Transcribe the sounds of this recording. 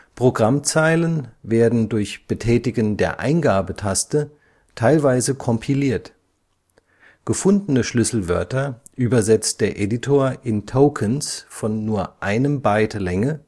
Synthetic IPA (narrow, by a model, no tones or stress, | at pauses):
pʁ̥oɡʁamt͡saɪlənveːɐdn̩dʊɐçb̥ətʰɛːtɪɡəndeːɐʔa̰ɪnɡaːbətʰastə | tʰaɪlvaɪzəkʰɔmpʰiliːɐt | ɡ̥əfʊndn̩əʃlʏsl̩vœɐtɐ | ʔyːbɐzɛt͡st̚d̥eːɐʔeditʰoːɐʔɪntʰoʊkʰənsfɔnːuːɐʔaɪnəmbaɪtlɛŋə